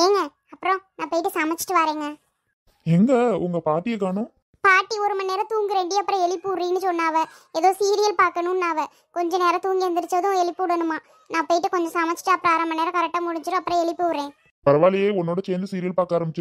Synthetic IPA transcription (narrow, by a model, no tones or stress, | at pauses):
eːŋɡɐ | ɐpːɯɾɔ̃naːpɐjɪʈ̬ːɯsaːmɐt͡ʃːɪ̥ʈːɯʋaːɾeːŋɡɐ | ɛŋɡɐʊŋɡɐpaːʈːɪjɐkːaːnɐ | paːʈːiɔɾɯmɐnːeːɾɐt̪uːŋɡɯɾeːɳɖiɐpːɯɾɔ̃ɛɭɪpːɯʊɾɾĩːnːɯsɔnːaːʋɐ | eðoːsiːɾɪjɐlpaːɾkɐnʊ̃nːaːʋɐ | kɔɲd͡ʒɐ̃neːɾɐ̃t̪uːŋɡɪɾɐnd̪ɪɾɯt͡ʃːɐðʊ̃ɛɭɪpːɯʊɽɐnɯmaː | nãːpɐjɪʈːɯkɔɲd͡ʒɐ̃saːmɐt͡ʃːɪ̥ʈːɯɐpːɯɾɔ̃aːɾɐmɐnːeːɾɐkɐɾɛk̚ʈːaːmʊɽɪɲd͡ʒɯɾɯ̃ɐpːɯɾɔ̃ɛɭɪpːɯʊɾːẽː | pɐɾɐʋaːlɪjeːɔnːoːɽɐt͡ʃɛːnd̪ɯsiːɾɪjɐlpaːɾkaːɾɐmbɪt͡ʃː